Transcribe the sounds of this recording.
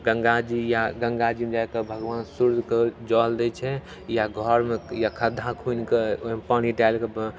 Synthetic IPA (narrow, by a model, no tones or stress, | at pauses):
ɡəŋɡad͡ʒijaɡə̃ŋɡad͡ʒimed͡ʒaekebʱəɡʋaːnsuɾd̪ʱked͡ʒɔld̪ɛt͡ʃʰɛ | jaɡʱɔɾmejakʰəd̪ʱakʰunkeopəɽ̤iʈalkeb